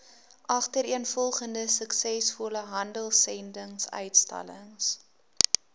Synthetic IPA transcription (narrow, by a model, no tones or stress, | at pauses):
ʔɐχtəɾiənfɔlˠχəndəsəksɛsfuləɦɐndəlˠsɛndəŋsœ̰ɥtstɐ̰ləŋs